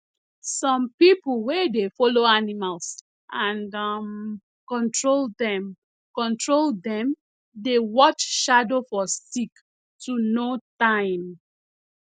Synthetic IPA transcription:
sɔ̃mpipulwedefɔloanimals | ʔãnam | kɔ̃ntɹoldɛ̃m | kɔ̃ntɹoldɛ̃m | dewɔt͡ʃʃadofɔsik | tunotãɪ̃m

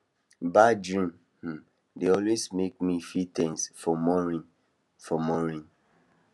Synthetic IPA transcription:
bad͡ʒɹĩm̩ | deɔlwesmek̚mifitɛ̃nsfɔmɔɹĩn | fɔmɔɹĩn

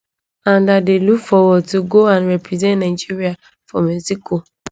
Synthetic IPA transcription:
ãndadelukfɔwɔd̚tuɡoãnɾɛpɹizɛ̃ntnaɪd͡ʒiɾia | fɔmɛsiko

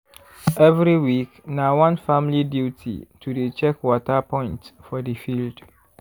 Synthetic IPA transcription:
ɛvɾiwiknawãnfãmliditʰḭtʰudet͡ʃɛkwɔtapʰɔ̃ɪ̃ntfɔdifild̥

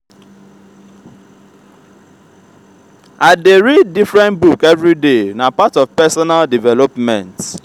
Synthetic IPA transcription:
aɪdeɹid̚ːifɹɛ̃ntbukɛvɹidenapatɔvpɛsɔnaldivɛlɔpmɛ̃nt

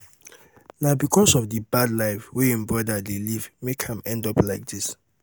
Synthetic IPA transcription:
nabikʰɔsɔvdibadlaɪfweĩnbɹɔdadelivmekʰãmɛ̃ndɔplaɪk̚dis

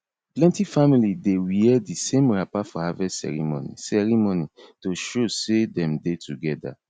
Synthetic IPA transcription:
plɛ̃ntifamilidewiɛdisẽmɹapafɔhavɛsɛ̰ɹḭmo̰nḭsɛɹimonitoʃosedɛ̃mdetʰuɡɛda̰

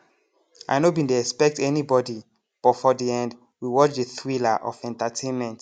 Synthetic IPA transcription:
a̰ɪnobĩnteɛkspɛk̚tɛnibɔdi | b̥ɔfɔdiɛ̃nd | wiwɔt͡ʃdeθwilaʔɔ̰fɛ̃ntatʰẽnmɛ̃nt

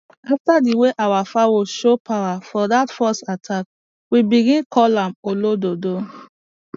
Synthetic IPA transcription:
aftadiweʔawafawoʃopʰawafɔdatfɔstatʰak̚ | wibiɡĩnkʰɔlãmolododo

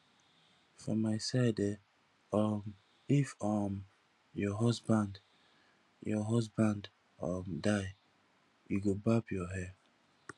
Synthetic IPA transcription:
fɹɔ̃mːaɪsadɛ | ɔm | ifɔm | jɔɦɔsbãnd | jɔɦɔsbãnd | ɔmdaɪ | uɡobapjɔɦɛ

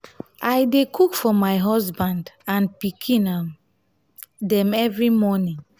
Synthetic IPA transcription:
ajdekʰukfɔmajɦɔsbãndãnpikʰĩnam | dɛ̃mɛvɹimɔnĩŋ

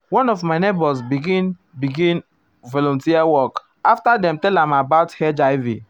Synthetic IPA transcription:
wɔ̃nɔfmaɪnebɔs̬biɡĩn | biɡĩn | vɔlɔ̃ntiawɔk | aftadɛ̃mtɛlãmabaʊthɛd͡ʒaɪvḭ

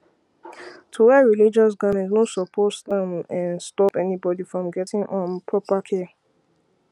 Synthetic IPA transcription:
tʰuwɛɹilid͡ʒɔs̬ɡamɛ̃ntnɔtsɔpʰɔtstãnɛ̃nstɔpɛnibɔdifɹɔ̃mɡɛtɪ̃ŋʔɔ̃npʰɹɔpakʰɛ

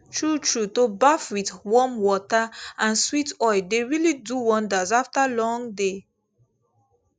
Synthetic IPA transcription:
tʰɹutʰɹutobafwiθwɔmwɔtaãnswitɔɪdeɹiliduwɔ̃ndazaftalɔ̃ŋde

